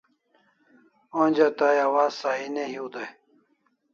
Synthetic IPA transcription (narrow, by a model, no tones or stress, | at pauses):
oːnʲd͡ʑat̪aːjɐwaːzsaːineɦiud̪aj